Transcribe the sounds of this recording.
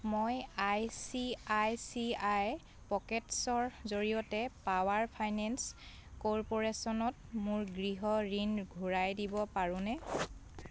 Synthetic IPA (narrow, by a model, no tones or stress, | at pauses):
mojajsiajsiaj | pɔkɛtsɔɹzoɹijɔtɛpawaɹpʰajnɛns | kɔɹpɔɹesɔnɔt̚mʊɹɡɹiɦɔɹinɡʱuɹajdibɔpaɹʊ̃nɛ